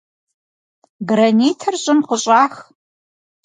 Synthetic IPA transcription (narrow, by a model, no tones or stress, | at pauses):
ɡrɐniːtʰɐrɕʼɪmqʷʊɕʼaːx